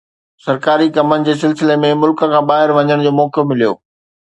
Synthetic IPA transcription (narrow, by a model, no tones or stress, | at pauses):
sɐɾkaːɾikɐmənɪ̆d͡ʑeːs̬ɪlsɪlemẽmʊlkə̆kʰãːbaːɦɪɾʋɐɲəɽ̃d͡ʑoːmɔːkijomɪlijo̰ː